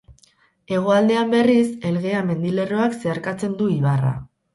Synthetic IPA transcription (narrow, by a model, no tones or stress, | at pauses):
e̞ɣ̞o̞ald̪e̞ambe̞rise̞lɣe̞ame̞nd̪ile̞ro̞akse̞aɾkat͡se̞nd̪uiβ̞ara̰